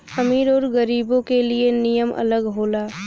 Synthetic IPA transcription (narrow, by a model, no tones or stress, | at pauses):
xɐmiːɾɔːɾɡəɾiːbõkelienijəmʔɐ̰ləɡɦoːlaː